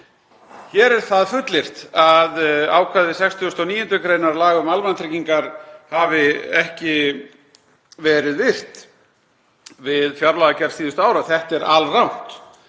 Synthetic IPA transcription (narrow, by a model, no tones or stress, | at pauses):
çɛːɾɛɾ̥θaðfʏt̪lɪr̥t̪aða̰ːwkʰaːðɪsɛkst̪iʏst̪awniːjʏnt̪ʏkɾeːjnaɾlaːɣʏmalvant̪ʰɾiciŋkaɾ̥havɪɛhcɪ | vɛːɾɪðvɪr̥t̪ | vɪðfjaɾlaɣacɛɾ̥siːðʏst̪ʏaːwɾaθɛht̪ɛɾʔalrawn̥t̪